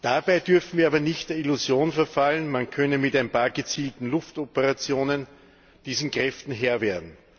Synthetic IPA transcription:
d̥abaɪdʏɐfn̩viːɐaːbɐnɪçtd̥eːɐɪlʊzjoːnfɛɐfalənmankʰœnəmɪtaɪnpaːɐɡət͡siːltn̩lʊftɔpəʁat͡sjoːnən | d̥iːzn̩kʁ̥ɛftn̩ɦeːɐveːɐdn̩

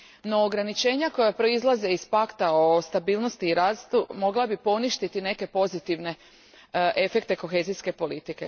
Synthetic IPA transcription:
no̞ːɡɾanit͡ʃe̞ːɲako̞japɾo̞izlˠaze̞ispakt̪aost̪abiːlˠno̞st̪iːɾaːst̪umo̞ɡlabipo̞niʃt̪it̪ine̞ke̞po̞zit̪iʋne̞ | ʔefe̞kt̪e̞ko̞xe̞ːziske̞po̞lit̪ike̞̰

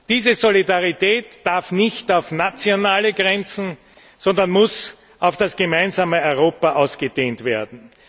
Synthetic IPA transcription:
d̥iːzəzolidaʁitɛːtd̥aɐfnɪçtaʊfnat͡sjonaːləɡʁɛnt͡sn̩ | z̥ɔndɐnmʊs | ʔaʊfd̥asɡ̥əmaɪnzaːməɔʏʁoːpɐʔaʊsɡ̥əd̥eːntv̥eːɐdn̩

